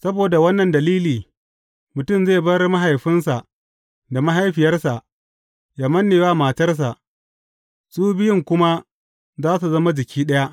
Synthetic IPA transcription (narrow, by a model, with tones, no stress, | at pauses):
sɐ˦boː˨da˨wɐ˦nːɐ˨ndɐ˨liː˦liː˨ | mʊ˨tʊ˦mzeː˦˨bɐ˦rma˦ɦa˨jɸɪ˦nsa˨ʔ | da˨ma˦ɦa˦jɸɪ˨jɐ˦rsa˨ʔ | jaː˨mɐ˦nːeː˨waː˦maː˨tɐ˦rs̬a˨ʔ | sʼuː˦bɪ˦jɪ˦˨ŋkʷʊ˦ma˦ | zaː˦su˨zɐ˦ma˦d͡ʒɪ˨kʲiː˦ɗɐ˦ja˦ʔ